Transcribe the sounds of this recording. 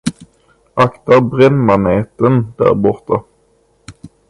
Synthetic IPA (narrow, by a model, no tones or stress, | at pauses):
ʔakt̪aɾbɾɛnːmaneːt̪ənd̪̥æ̰ːɾbɔɾt̪a